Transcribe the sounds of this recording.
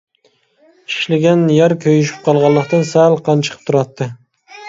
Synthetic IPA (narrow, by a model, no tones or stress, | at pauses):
ɪ̥ʃlɪɡʲanjaɾkʲʰøjyʃ̬ɪ̥p̚qʰɑlˠʁɑlˠːɨqt̪ansalˠqʰɑnt͡ʃʰɨ̥qʰɨ̥p̚t̪ʰʊɾɑt̪ːɪ